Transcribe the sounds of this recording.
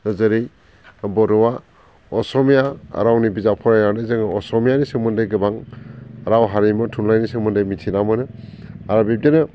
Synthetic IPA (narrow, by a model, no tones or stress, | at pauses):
ɯzɯɾij | bɔɾɔwa | ɔsɔmijaa̰ɾawnibizapʰɔɾajnawdɯzɯŋɯɔsɔmijanisɯŋmɯndɯjɡɯbaŋ | ɾawɦaɾimɔtʰunlajnisɯŋmɯndɯjmitʰinamɯnɯaɾabip̚denɯ